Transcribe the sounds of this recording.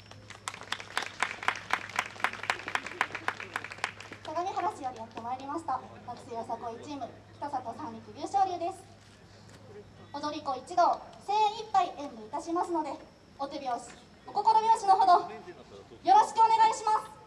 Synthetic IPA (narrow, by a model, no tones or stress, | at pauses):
t̪aɡamʲiɦaɾaɕijoɾʲijat̪ːe̞maeɾʲimaɕi̥t̪amakɯ̥sijosako̞it͡ɕiːmɯ̟kʲi̥t̪asakosãɲːʲikʲiɾʲɯ̟ːɕo̞ːɾʲɯ̟ːd̪e̞sɨ̥ | od̪o̞ɾʲiko̞it͡ɕid̪o̞ːse̞ːipːaiʔẽmːɯit̪aɕimasɨno̞d̪e̞ | ot̪ebʲjo̞ːɕi̥ | oko̞ko̞ɾobʲjo̞ːɕino̞ɦo̞d̪o̞ | jo̞ɾo̞ɕi̥kɯ̟o̞ne̞ɡaiɕimasɨ̥ɨ̥